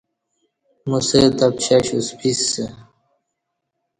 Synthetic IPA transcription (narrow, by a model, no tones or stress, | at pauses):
muset̪ɐpɕaɕuspʰisːe